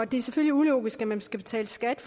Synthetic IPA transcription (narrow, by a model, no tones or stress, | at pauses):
ɒd̥e̝æɐseføl̰iulo̰ːɡ̥isɡ̥æmænsɡ̥æb̥e̝t͡sʰɛ̰ːləsɡ̥æd̥f